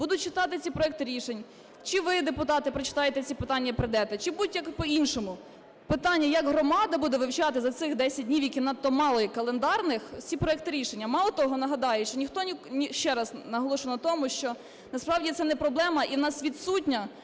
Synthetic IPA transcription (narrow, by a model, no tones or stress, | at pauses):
bud̪ʊt̚ʲt͡ʃɪt̪ɑt̪ɪt͡sʲipɾɔɛk̚t̪ɪɾʲiʃenʲ | t͡ʃɪʋɪd̪epʊt̪ɑt̪ɪpɾɔt͡ʃɪ̥t̪ɑjet̪ɛt͡sʲipɪt̪ɑnʲːɐpɾɪd̪ɛt̪ɛt͡ʃɪbud̪ʊtʲjɐkpɔinʃɔmʊ | pɪt̪ɑnʲːɐjɐɡɦɾɔmɑd̪ɐbud̪ɛʋɪwt͡ʃɑt̪ɪzɐt̪sɪxd̪ɛsʲɐt̚ʲdʲnʲiwjɐkʲinɐt̪ːɔmɑlˠɔjikɐlˠend̪ɑrnɪxt͡sʲipɾɔɛk̚t̪ɪɾʲiʃenʲːɐmɑlˠɔt̪ɔɦɔnɐɦɐd̪ɑjɛʃt͡ʃɔnʲixt̪ɔnʲinʲʃt͡ʃɛɾɐsnɐɦɔlˠɔʃʊnɐt̪ɔmʊʃt͡ʃɔ | nɐspɾɑwdʲit̪sɛnɛpɾɔblˠɛmɐʔiwnɑsʋʲid̪sutʲnʲɐ